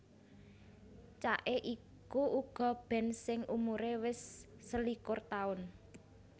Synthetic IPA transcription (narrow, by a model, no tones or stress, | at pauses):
t͡ʃa̰ʔeʔi | kuʔuɡ̥ɔ̤b̥ɛ̤nsɪŋʔumuɾewɪsːəlikʊrt̪aʊn